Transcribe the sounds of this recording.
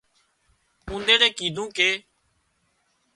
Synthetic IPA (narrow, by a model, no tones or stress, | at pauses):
ũːnd̪eːɽeːkiːd̪ʱũːkeː